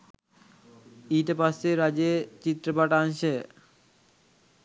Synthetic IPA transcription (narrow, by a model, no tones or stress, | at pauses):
iʈepaseɾad͡ʑet͡ɕit̪ːɾopaʈanʃe